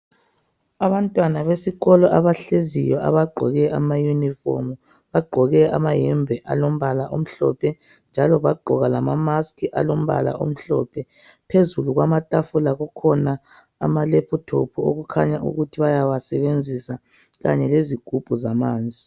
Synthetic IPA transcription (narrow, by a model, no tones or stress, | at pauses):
aβantʼwanaβesiɣɔlɔʔaβaɬezijɔʔa̰βaɡ͡ǃʱɔ̰ɣɛʔamajunifɔ̰mu | βaɡ͡ǃʱɔɣɛamajɛmbʱɛʔa̰lom̩βalaʔom̩ɬɔ̰pʰɛ | nd͡ʒʱalɔβaɡ͡ǃʱɔɣalamamaskʰiʔa̰lom̩βa̰la̰ʔo̰m̩ɬɔ̰pʰɛ | pʰezuluɣwamatʼafulaɣɔkʰɔna̰ː | malɛpʰɔtʰopʰuo̰ɣukʰaɲaʔṵɣutʰiβajawasɛβend͡zʱisa | ɣa̰ɲɛleziɡ̥ʱub̥ʱuzamaːnd͡zʱi